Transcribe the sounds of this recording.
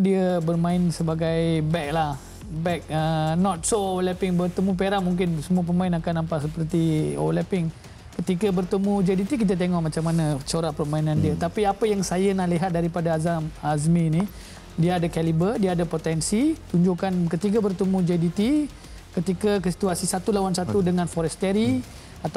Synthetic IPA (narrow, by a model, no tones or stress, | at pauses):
diəbərmãɪnsəbaɡajbɛk̚lah | bɛk̚ənɔt̪̚soowlɛpɪŋbərt̪əmũp̬eɾaʔmuŋk̬ɪnsəmuəp̬əmãɪnakanːampaʔsəpərt̪io̰wlɛpɪŋ | kət̪ikəbərt̪əmud͡ʒadit̪ik̬it̪̬at̪̬eŋɔʔmãt͡ʃamːanat͡ʃoɾahpərmainãndiət̪apiapəjaŋsajənaliɦat̪̚daɾipadaazamazmĩni | diəadakɛlibərdiaadapot̪ɛnsit̪uɲd͡ʒukankət̪ik̬abərt̪əmũd͡ʒadit̪i | kət̪ikakəsi̥t̪uasisat̪ulawansat̪udəŋãnfɔɾɛst̪ɛɾi | at̪